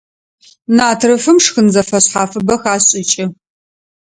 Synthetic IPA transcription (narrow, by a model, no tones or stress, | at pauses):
naːtʰrɨfɨmʂxɨnzɐfɐɕħaːfɨbɐxaːɕʼɪt͡ʃʼɪ